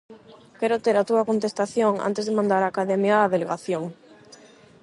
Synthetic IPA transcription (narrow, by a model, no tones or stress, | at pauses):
kɛɾʊt̪eɾat̪uɐkont̪est̪aθjoŋa̰nt̪ezðemãnd̪aɾaːkaðɛmjaːðeleɣaθjoŋ